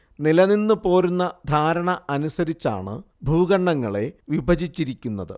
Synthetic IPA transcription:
nilɐninːɨpo̞ːɾunːɐd̪ʱaːɾɐɳɐɐnusɐɾit͡ɕːa̰ːɳɨ̰ | bʱuːɡɐɳːɐŋːɐɭe̞ʋibʱɐd͡ʑit͡ɕːiɾikʲːunːɐðɨ̰

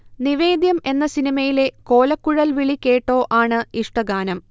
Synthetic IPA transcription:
niʋe̞ːd̪jɐme̞nːɐsinimɐjile̞ko̞ːlɐkːuɻɐlʋiɭikʲːe̞ːʈːo̞ːʔaːɳɨiʂʈɐɡaːnɐm

